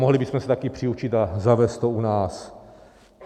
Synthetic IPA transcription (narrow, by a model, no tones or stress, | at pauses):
oɦlɪbɪsmɛsɛt̪akɪpr̝̥ɪut͡ʃɪt̪azavɛːst̪̚t̪ounaːs